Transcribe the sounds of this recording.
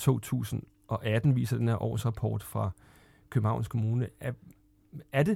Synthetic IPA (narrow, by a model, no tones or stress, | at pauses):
t͡sʰo̝̰ːt͡sʰṵːsn̩ | ʔɒ̽ʔæd̥n̩ʋḭːsɐd̥enheɐʔɒ̰ːsʁɑ̈pʰɒ̰ːd̥fʁɑ̈ | kʰøb̥n̩hɑ̈ʊnskʰo̝muːnə | æɐd̥e̝